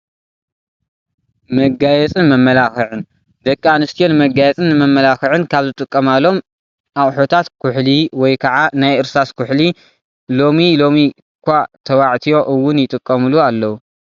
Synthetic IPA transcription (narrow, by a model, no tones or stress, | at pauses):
mɐɡajɛt͡sʼɨnmɐmːɐlaxɨʕɨn | d̪ɐkʼːanɨst̪ʰijo̞nmɐɡajɛt͡sʼɨnːɨmɐmːɐlaxɨʕɨnkʰaβzɨt̪ʼɨkʼːɐmalo̞m | ʔawħot̪ʰat̪kʰʊħliwɔjkʰɐʕanajʔɨɾsaskʰʊħli | lo̞milo̞mi | kʷat̪ʰɐwaʕt̪ʰijo̞ʔɨwːʊnjɪt̪ʼɨkʼːɐmulualːɐwu